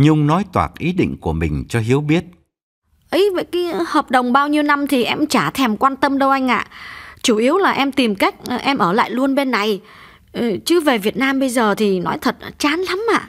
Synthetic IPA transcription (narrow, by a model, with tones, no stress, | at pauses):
ɲɨ˧ŋ͡mnɔ˨˦jt̪waː˨˩t̚ʔi˨˦ɗḭ˧˨ŋ̟ku˧˩əmï˨˩ŋ̟t͡ɕɔ˧ɦi˨˦əwɓi˦˥ət̚ | ʔə˨˦jvə̰˧˩jkaː˨˦həː˨˩p̚ɗə˨˩wŋ͡mɓaː˧wɲi˧əwna˧mt̪ʰi˨˩ʔɛ˧mt͡ɕaː˧˩t̪ʰɛ˨˩mkwaː˧nt̪ə˧mɗə˧wʔa˧jŋ̟ʔa̰ː˧˨t͡ɕu˧˩ʔi˨˦əwlaː˨˩ʔɛ˧mt̪i˨˩mka˦˥jk̟̚ʔɛ˧mʔəː˧˩la̰ː˧˨jlu˧ənɓe˧nːa˨˩j | t͡ɕɨ˨˦ve˨˩vi˨˩ət̚naː˧mɓə˧jzəː˨˩t̪ʰi˨˩nɔ˨˦jt̪ʰə˨˩t̚t͡ɕaː˨˦nla˨˦mʔa̰ː˧˨